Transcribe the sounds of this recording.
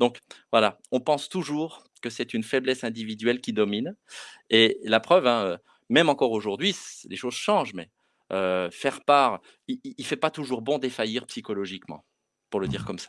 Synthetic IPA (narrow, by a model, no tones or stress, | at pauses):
d̪ɔ̃kvwala | ɔ̃pɑ̃st̪uʒuːʁ | kəsɛt̪ynfɛblɛsɛ̃d̪ivid̪ɥɛlkʲid̪ɔminelapχœvɛ̃ø | mɛmɑ̃kɔʁoʒuʁd̪ɥisleʃozʃɑ̃ʒmɛ̰ | øfɛʁpaʁ | iiifɛpat̪uʒuʁbɔ̃d̪efajiʁpsikɔlɔʒikmɑ̰̃ | puʁləd̪iʁkɔmsḁ